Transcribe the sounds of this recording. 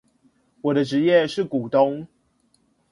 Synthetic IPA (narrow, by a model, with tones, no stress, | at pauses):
wɔ˨˩d̪ə˦ʈ͡ʂɻ̩˨˦jɛ˥˨ʂɻ̩˥˨ku˨˩t̪o˦ŋ